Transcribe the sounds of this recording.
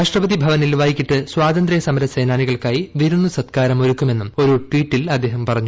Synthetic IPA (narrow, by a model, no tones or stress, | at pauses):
ɾaːʂʈrɐbɐðibʱɐʋɐnilʋaːjikʲːiʈːɨswaːd̪ɐnd̪ɾɐjɐsɐmɐɾɐsejnaːniɣɐɭkaːjiʋiɾunːusɐt̪kaːɾɐmo̞ɾukːume̞nːumo̞ɾuʈwiːʈːilɐd̪ːeːɦɐmpɐrɐɲːu